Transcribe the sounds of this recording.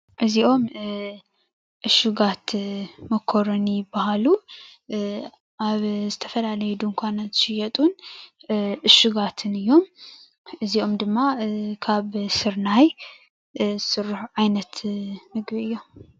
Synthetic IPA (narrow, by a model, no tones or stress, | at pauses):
ʔɨziʔo̞m | ʔɨʃuɡat̪mɐkʰːoɾonjɪbːahalu | aβzɨt̪ʰɐfɐlalɐjɛd̪uŋkʷʰanɐzɨʃɪjɛt̪ʼun | ʔɨʃuɡat̪ʰɨnɨjːo̞m | ʔɨziʔo̞md̪ɨmːakʰaβsɨɾnaj | zɨsɨrːuħʕajnɐt̪mɨɡbiɨjːo̞m